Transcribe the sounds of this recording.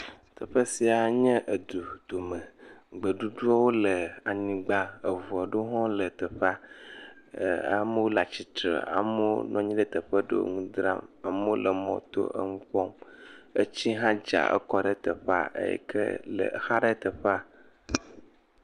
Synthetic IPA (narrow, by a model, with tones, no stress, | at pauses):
t̪ʰə˨ɸə˦si˨a˨ɲɛ̃˦ʔə˨d̪u˨d̪̥o˨mə̃˨ɡ͡bə˨ɖu˦ɖu˦a˦wo˦lə˨a˨ɲĩ˨ɡ͡ba˦ə˨vu˨a˨ɖo˦ɦɔ̃˦lə˨t̪ə˨ɸa˦ | a˨mə˦wo˦la˨t͡ɕi˨t̪ɾḛ˨a̰˨mo˦nɔ̃˦ɲĩ˦ɖə˦t̪ə˨ɸə˦ɖə̰˦wo̰˦ŋũ˦d̪ɾa̰˦ma˨mə˦o˦lə˨mɔ̰̃˨t̪o̰˦ʔə̰˦ŋũ˦ɸɔ˦mə˦t͡ɕi˦ɦã˦d͡ʒa̰˨ʔə̰˦kɔ˦ɖə˦t̪ə˨ɸa̰˦ə̰˦jɛ̰˦kʰə̰˦lə̰˨xa˦ɖə˦t̪ə˨ɸa˦